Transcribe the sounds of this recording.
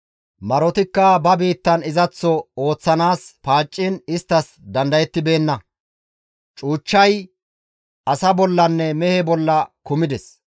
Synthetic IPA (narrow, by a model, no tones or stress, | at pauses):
mɐɾɔt̪ɪkːɐbɐbiːt̪ːɐnɪzɐt͡sːɔo̞ːt͡sːɐnaːspaːt͡ʃʼːɪnɪst̪ːɐs | d̪ɐnd̪ɐjɛt̪ːɪbe̞ːnːɐ | t͡ʃʼuːt͡ʃːɐj | ʔɐsɐbɔlːɐnːɛmɛhɛbɔlːɐkʊmɪd̪ɛs